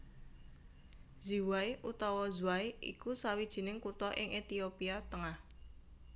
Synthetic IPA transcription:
ziwaiʔut̪ɔwɔzuaiʔḭkusawid̥ʒ̥i̤nɪŋkut̪ɔʔɪŋʔet̪iopiat̪əŋah

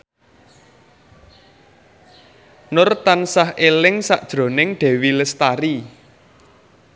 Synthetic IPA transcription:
nʊrt̪ansahelɪŋsa̰ʔd̥ʒ̥ɾo̤nɪŋɖ̥e̤wiləst̪aɾi

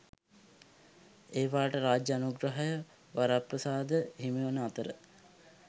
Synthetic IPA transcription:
eːʋaːʈəɾaːd͡ʒəanuɡɾəɦajə | ʋaɾaprəsaːd̪əɦimiʋənəat̪əɾə̰

